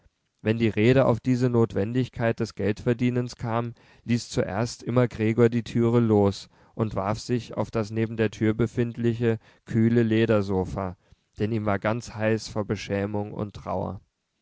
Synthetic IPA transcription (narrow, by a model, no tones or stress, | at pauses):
vɛndiːʁeːɾəʔa̰ʊfd̥iːzənoːtv̥ɛndɪçkʰaɪt̚d̥ɛsɡ̥ɛltfɛɐdiːnənskʰaːm | liːst͡suʔḛːɐstʔɪmɐɡʁeːɡoːɐdiːtʰyːʁ̞əloːs | ʔʊntv̥a̰ɐfz̥ɪça̰ʊfd̥asneːbm̩deːɐtʰyːɐbəfɪntlɪçə | kʰyːləleːɾɐzoːfaː | d̥ɛniːmvaːɐɡant͡shaɪsfonbəʃɛːmʊŋʊ̰ntʁ̥a̰ʊɐ̰